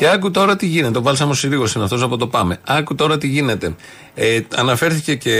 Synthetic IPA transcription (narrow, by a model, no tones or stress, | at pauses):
ce̞ɐkut̪o̞ɾɐt̪iʝine̞t̪eovɐlsɐmosiliɣo̞sinɐft̪os̬ɐpo̞t̪o̞pɐme̞ɐkut̪o̞ɾɐt̪iʝine̞t̪e̞ | eɐ̰nɐfe̞ɾθice̞ce